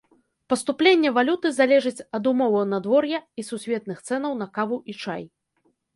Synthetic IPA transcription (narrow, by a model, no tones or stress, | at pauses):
pɐst̪uplʲenʲːɛvalʲut̪ɨzalʲɛʐɐt͡sʲɐd̪umɔvɐwnɐd̪vɔrjɐisusʲvʲɛt̪̚nɨxt̪sɛn̪ɐwnɐkavuʔit͡ʂaj